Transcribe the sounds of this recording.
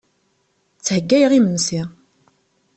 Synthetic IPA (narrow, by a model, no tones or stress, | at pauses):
t͡sːhəɡːæjʁimənsi